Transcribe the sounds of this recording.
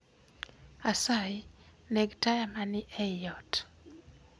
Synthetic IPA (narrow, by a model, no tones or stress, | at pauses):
asajneɡtajamanɪʔɛjɔt